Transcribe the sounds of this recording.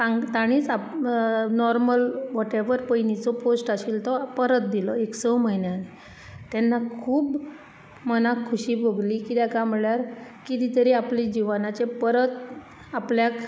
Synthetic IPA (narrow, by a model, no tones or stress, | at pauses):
ãt̪aɽ̃iːt͡sa | nɔɾməlʋɔʈeʋəɾpəjnit͡sɔposʈaɕilt̪ɔpəɾət̪̚d̪ilɔeksɔməɦjnjani | t̪ɛnːakʰuːb | mənakʰːuɕiːboɡlikit̪jakam̤əɭjaɾkit̪it̪əɾiaplid͡ʑiʋanat͡sepəɾət̪ | apljak